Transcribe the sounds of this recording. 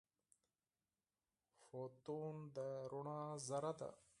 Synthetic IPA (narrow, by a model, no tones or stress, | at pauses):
foːt̪uːnd̪əɾuɳãːzɐɾɐd̪a̰